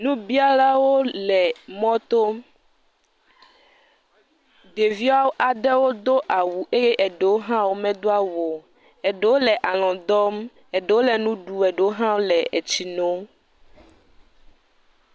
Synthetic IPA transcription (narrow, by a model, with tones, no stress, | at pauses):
nũ˦bi˦a˦la˦wo˦lɛ˨mɔ̃˦t̪o˦ | ɖe˨vi˦a˦wo˦ʔa˨ɖɛ˦wo˦d̪o˦ʔa˨wu˨ʔe˦je˦ʔɛ˨ɖe˨wo˦ɦã˦wo˦mɛ̃˦d̪o˦a˦wo˨ | ɛ˨ɖe˨wo˦lɛ˨ʔa˨lɔ̃˨d̪ɔ˦m | ɛ˨ɖe˨wo˦lɛ˨nũ˦ɖu˨ɛ˨ɖe˨wo˦ɦã˦wo˦lɛ˨ɛ˨t͡ɕi˨no˦